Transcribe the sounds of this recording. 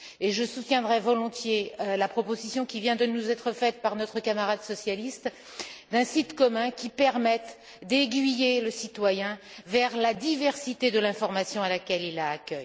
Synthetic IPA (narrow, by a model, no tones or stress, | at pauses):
eʒəsut̪jɛ̃d̪ʁɛvɔlɔ̃t̪jelapχɔpozisjɔ̃kʲivjɛ̃d̪ənuzɛt̪χəfɛt̪̚paʁnɔt̪χəkamaʁad̪sɔsjalist̪ | d̪ɛ̃sit̪kɔmɛ̃kʲipɛʁmɛt̪ | d̪eɡɥijeləsit̪wajɛ̃vɛʁlad̪ivɛʁsit̪ed̪əlɛ̃fɔʁmasjɔ̃alakʲɛlilaːkʲœj